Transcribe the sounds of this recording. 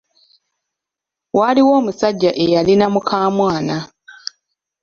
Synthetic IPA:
waliwo̞ːmusaɟːaʔe̞jalinamukʰaːmwaːna

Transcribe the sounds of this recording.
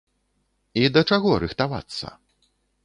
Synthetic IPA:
id̪ɐt͡ʂaɣɔɾɨxt̪ava̰t̪sːɐ̰

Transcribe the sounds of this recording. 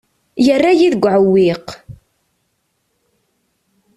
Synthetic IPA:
jərːajiðəɡʷːʕəwːiq

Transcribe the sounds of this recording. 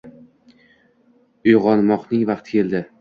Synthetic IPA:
ʊjʁɒnmɒqnɪŋvɑqt̪kʲʰe̞ld̪ɪ

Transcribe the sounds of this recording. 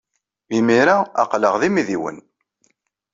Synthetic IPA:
imiɾaa̰qləʁðimiðiwə̰n

